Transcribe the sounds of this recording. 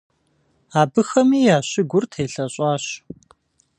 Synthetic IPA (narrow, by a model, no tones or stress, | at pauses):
aːbɨxɐmiːjaːɕɪɡʷʊrtʰeːɬɐɕʼɑːɕ